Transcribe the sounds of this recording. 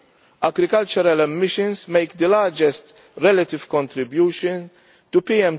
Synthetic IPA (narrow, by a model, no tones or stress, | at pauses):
ɐɡɾɪkɐlt͡ʃɔɾɐlɛmːɪʃə̃nsmeɪkd̪əlaːd͡ʒɛst̪ | ɾɛlɐt̪ɪv̥kɔ̃nt̪ɾɪbjuːʃɔ̃n | t̪upiɛ̃m